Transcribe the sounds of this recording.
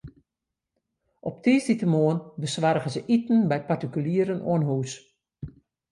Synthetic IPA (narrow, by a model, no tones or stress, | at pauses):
ʔɔp̚tiːsditəmoənbəsʋarɣəzəʔitn̩bɛjpartikyljiəɾənʔo̰ənɦuːs